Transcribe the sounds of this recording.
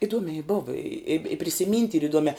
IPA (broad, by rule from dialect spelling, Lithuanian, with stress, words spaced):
ɪˈduɔmʲɛɪ ˈboːʋɐ ɪ ɪp ɪ pʲrʲɪsʲɪˈmʲiːnʲtʲ iːr ɪˈduɔmʲæː